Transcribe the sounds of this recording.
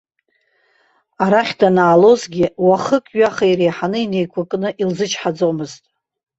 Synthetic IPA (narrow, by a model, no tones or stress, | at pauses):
aɾaχʲdanaːlo̞zɡʲɪwaχəkʼɥaχaiɾejħanɨine̞jkʷʰakʼnɨʔilzɨt͡ʃʰʼħad͡zomɨztʼ